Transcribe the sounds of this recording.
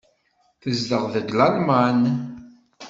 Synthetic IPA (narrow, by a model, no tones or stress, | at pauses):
θəzd̪əʁðəɡlalman